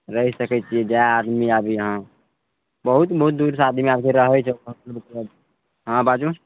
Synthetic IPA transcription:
ɾəɦisəkɛt͡ʃʰied͡ʒajaːd̪miabʱiɦã | bəɦut̪bəɦut̪̚d̪uːɾsaːd̪miaːbkeɾəɦɛt͡ʃʰɛbɦut̪lbk̪ləb | ɦãbad͡ʒu

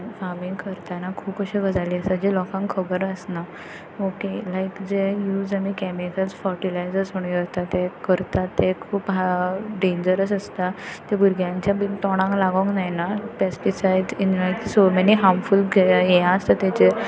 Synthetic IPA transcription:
famĩŋɡkəɾt̪anakʰuːpkəɕiɡəd͡zaliːəsad͡ʑelɔkãŋkkʰəbəɾəsna | okelajkd͡ʑejuːd͡zamikɛmikalsfəɾʈilajzəsməɳ̃ikət̪at̪ːekəɾt̪at̪ːekʰuːpɦaɖẽɲd͡ʑəɾəsəst̪at̪ebuɾɡʱjãɲt͡ɕjabint̪ɔɽ̃ãŋklaɡoŋknajnapesʈisajɖinnajkisomɛniɦamfulɡjejãəst̪at̪ɛt͡ɕe

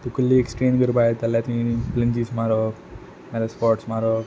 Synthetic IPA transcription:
t̪ukulːieksʈeːnɡəɾpajt̪alːat̪iipləɲd͡ʑiːsmaɾɔ | maɾaspɔɾʈsmaɾɔ

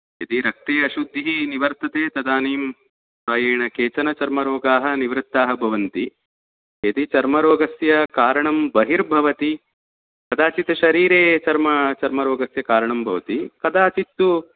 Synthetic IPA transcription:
et̪iɾɐk̚t̪eːɐʃud̪ʱːiɦiniʋɐɾt̪ɐt̪eːt̪ɐd̪aːniːm | saːjeːɳɐkeːt͡ʃɐnɐt͡ʃɐɾmɐɾoːɡaːɦɐniʋɾɪt̪ːaːɦɐbʱɐʋɐnt̪i | et̪it͡ʃɐɾmɐɾoːɡɐsjɐkaːɾɐɳɐmbɐɦiɾbʱɐʋɐt̪i | kɐd̪aːt͡ʃit̪ɐʃɐɾiːɾeːt͡ʃɐɾmɐt͡ʃɐɾmɐɾoːɡɐsjɐkaːɾɐɳɐmbʱɐʋɐt̪ikɐd̪aːt͡ʃit̪ːu

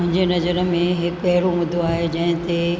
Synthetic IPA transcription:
ʊ̃ɦɪ̃ɲd͡ʑenɐzəɾə̆mẽɦɪkɐɦɪɾomʊd̪ʱoaːɦed͡ʑɐ̃ɦɪ̃t̪e

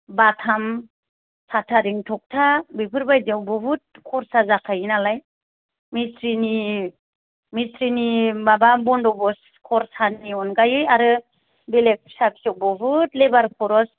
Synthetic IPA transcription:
batʰam | sʰatʰaɾiŋtʰɔk̚tʰabipʰɯɾbajdawbɔbɯt̚kʰɔɾsazakʰajinalaj | misɾini | mistɾinimababɔndɔbɔs | kʰɔɾsaniɔnɡajɯaɾɯ | belek̚sabi̥sɔw̚bɔbɯtlebaɾkʰɔɾɔs

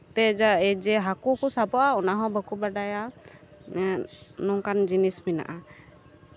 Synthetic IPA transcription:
t̪ɛd͡ʒaɛd͡ʒɛɦakukɔsabɔʔaɔnaɦɔ̃bəkubaɖaja | nɔŋkand͡ʒinismina̰ʔa

